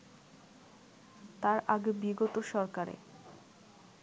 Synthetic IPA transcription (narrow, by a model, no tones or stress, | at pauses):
t̪aɾaɡebiɡot̪oʃɔɾkaɾḛ